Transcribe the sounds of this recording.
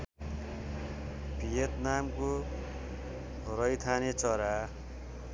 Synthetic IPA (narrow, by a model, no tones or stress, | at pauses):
pijet̪namko | ɾʌjt̪ʰanet͡sʌɾa